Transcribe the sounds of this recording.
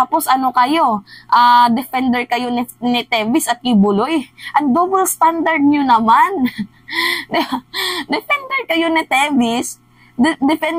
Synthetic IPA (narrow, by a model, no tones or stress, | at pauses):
t̪aːposʔɐno̞kɐjo̞ʔaːd̪ɛfɛnd̪ɛɹkɐjonɪnɪt̪ɛːvɪsɐt̪̚kɪbʊlojʔɐŋd̪obɛlst̪and̪ɐɹd̪̚ɲonɐman | d̪ɛfɛnd̪ɛɹkɐjonɪt̪ɛvɪs | d̪ɪfɛn